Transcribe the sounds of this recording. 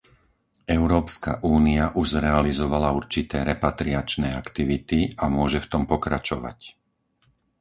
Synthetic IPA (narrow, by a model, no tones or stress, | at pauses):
ɛʊɾɔːpska̰ʔuːniaʔuʒzɾɛalizɔʋalauɾt͡ʃit̪ɛːɾɛpat̪ɾiat͡ʃnɛːakt̪iʋit̪iamʊɔʒɛft̪ɔmpɔkɾat͡ʃɔʋa̰c